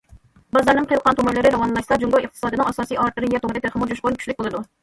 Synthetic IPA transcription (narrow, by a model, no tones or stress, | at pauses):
bɑzɑɾnɨŋqʰəjlˠqɑnt̪ʰomʊlɨɾɪɾɑwɑnlˠɑʃsɑd͡ʒuŋɡɑwəχ̚t̪ɨ̥sɑːd̪ɨnɨŋɑsɑːsijɑɾt̪ɨɾɪjɛt̪omɾʲɪt̪ʰeɾχəmʊd͡ʒʰuʃqoɾnkʰy̥ʃlɪk̚ʲbɨlˠɨd̪u